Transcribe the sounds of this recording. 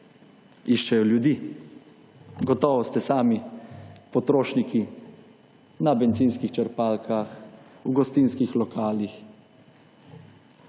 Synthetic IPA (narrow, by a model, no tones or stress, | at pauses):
iʃt͡ʃɛjɔljud̪iː | ɡɔt̪ɔːʋɔst̪ɛsaːmi | pɔt̪ɾoːʃniki | nabɛnt̪siːnskixt͡ʃɛɾpaːlkʰaxuɡɔst̪iːnskixlɔkʰaːlix